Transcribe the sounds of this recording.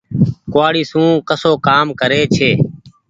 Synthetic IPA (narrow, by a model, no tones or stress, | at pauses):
kʊaːɽiːsũːkəsoːkaːmkəɾeːt͡ʃʰeː